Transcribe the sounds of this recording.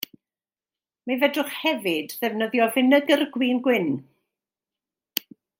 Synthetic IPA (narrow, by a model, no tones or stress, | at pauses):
mavɛdʊχhɛvɨdðɛvnəðjɔvɪnəɡərɡwiːnɡwɪn